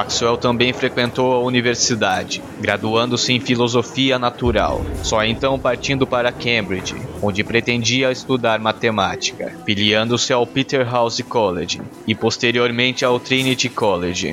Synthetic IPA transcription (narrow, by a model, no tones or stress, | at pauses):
maksuɛwt̪ɐ̃mbẽj̃fɾekwẽnt̪owɐuniveɾsid̪ad͡ʒɪ | ɡɾad̪uɐ̃nd̪ʊsɪẽj̃filozofiɐnat̪uɾa̰wsɔẽnt̪ɐ̃w̃paɾt͡ʃĩnd̪ʊpaɾɐkẽbɾid͡ʒɪ̰õnd͡ʒɪpɾet̪ẽnd͡ʒiɐɪst̪ud̪aɾmat̪emat͡ʃi̥kɐ̰piliɐ̃nd̪ʊsɪawpit̪eɾɦawzɪkɔleʒɪ̰ | ɪpost̪eɾioɾmẽnt͡ʃɪawt̪ɾĩnit͡ʃikɔleʒɪ̰